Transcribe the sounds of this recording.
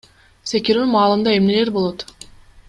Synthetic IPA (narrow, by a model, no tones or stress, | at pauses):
se̞kʲiɾymɑːlˠɯmd̪ɑe̞mne̞le̞ɾbolˠo̞t̪